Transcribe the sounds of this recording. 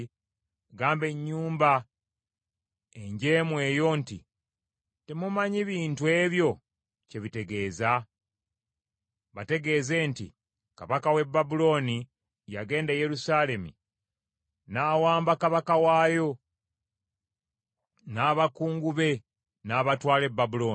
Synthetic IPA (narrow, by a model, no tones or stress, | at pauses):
ɡaːmbe̞ɲːuːmba | eɲɟeːmwe̞ːjo̞ntḭ | te̞mumaɲiβiːntue̞ːβjo̞ | ce̞βite̞ɡe̞ːza | βate̞ɡe̞ːze̞ntḭ | ka̰βakawe̞bːabulo̞ːni | ja̰ɡe̞ːndaje̞ɾusaːle̞mṵ | naːwaːmbakaβakawaːjo̞ | naːβakuːŋɡuβe̞ | naːβatwaːle̞bːabulo̞ːn